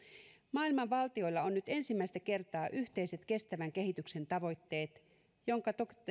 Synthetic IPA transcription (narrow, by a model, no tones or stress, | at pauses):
mɑːilmɑʋʋɑlt̪io̞jlːɑo̞nːyt̪e̞nsimːæist̪æke̞rt̪ɑːʔyht̪e̞jse̞t̪ke̞st̪æʋæŋk̟e̞ɦit̪ykse̞nt̪ɑʋo̞jt̪ːe̞ːt̪ | jo̞ŋkɑt̪ok